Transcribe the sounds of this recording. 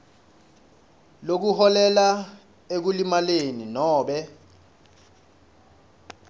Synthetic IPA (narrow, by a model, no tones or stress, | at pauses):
lok̬uhɔlɛla | ek̬ulimaleninɔːɓɛ